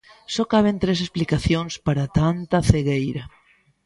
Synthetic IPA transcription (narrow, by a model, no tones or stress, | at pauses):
sɔkaβ̞ent̪ɾesesplikaθjõnspaɾat̪ant̪aθeɣejɾa